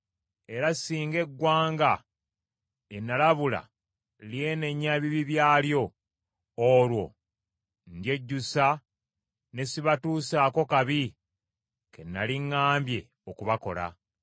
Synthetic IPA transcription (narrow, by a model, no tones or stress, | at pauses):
e̞ɾasiːŋɡe̞ɡːwaːŋɡa | enːalaβula̰ | lje̞ne̞ɲːaβiβiβjaːljo̞ː | lwo̞̰ | ndje̞ɟːusa | ne̞siβatuːsaːko̞kaβi | ke̞̰nːaliŋːaːmbje̞ | okuβako̞̰la̰